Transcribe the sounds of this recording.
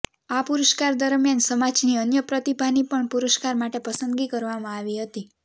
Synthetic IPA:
apuɾəʃkaɾd̪əɾmjansəmad͡ʒniənjəpɾət̪ibʱanipəɳpuɾəʃkaɾmaʈepəsənd̪ɡikəɾʋamãaʋiɦət̪i

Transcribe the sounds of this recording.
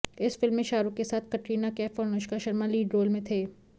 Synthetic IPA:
ɪsfɪlmːẽʃaːɾukesaːt̪̚ʰkɐʈɾiːnakɛːfɔːɾnʊʃkaʃɐɾmaliːɖɾoːlmẽt̪ʰeː

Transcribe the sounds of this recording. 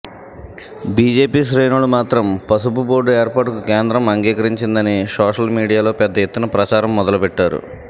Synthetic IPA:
biːd͡ʒe̞ːpiːʃɾeːnuɭumaːt̪ɾɐmpɐsupuboːɾɖueːɾpaːʈukukeːnd̪ɾɐmɐŋɡiːkɐɾiɲt͡ʃind̪ɐnisoːʂɐlmiːɽijaːlo̞ːpɛd̪ːɐjet̪ːunɐpɾɐt͡ʃaːɾɐmːɔd̪ɐlupɛʈːaːɾṵ

